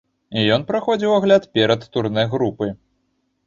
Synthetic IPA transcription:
ijɔn̪pɾaxɔd͡zʲiwaɣlʲat̪pʲɛɾɐt̪ːuɾnɨjɣɾupɨ

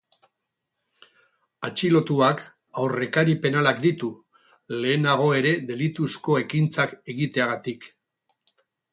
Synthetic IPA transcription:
at͡ʃilo̞t̪uak | awre̞kaɾipe̞nalakd̪it̪u | le̞ːnaɣ̞o̞e̞ɾe̞ðe̞lit̪usko̞e̞kint͡sake̞ɣit̪e̞aɣat̪ik

